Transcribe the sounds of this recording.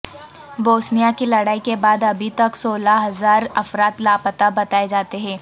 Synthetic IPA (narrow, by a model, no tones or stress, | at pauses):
boːsnijakilɐɽaːikebaːd̪ɐbʱit̪ɐksoːlaɦɐzaːɾɐfɾaːt̪laːpət̪abɐt̪aːed͡ʒaːt̪eɦɛ̃ː